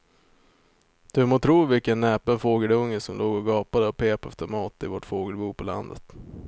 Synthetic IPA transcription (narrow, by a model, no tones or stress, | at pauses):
d̪̥ɵmoːt̪ʰɾuːvɪlkənːɛːpənfoːɡəlɵŋːəsɔmlʔoːɡɔɡɑːpad̪əɔpʰeːpɛft̪əɾmɑːt̪ɪvɔʈfoːɡəlbuːpʰɔla̰nd̪ə̰t̪